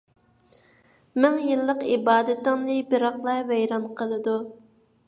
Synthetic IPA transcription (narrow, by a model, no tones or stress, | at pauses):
mɪŋjɨlˠːəqibɑːd̪ɪt̪ːɪŋnɨbɪɾɑχlˠɑvɛjɾɑmqʰəlˠɨd̪u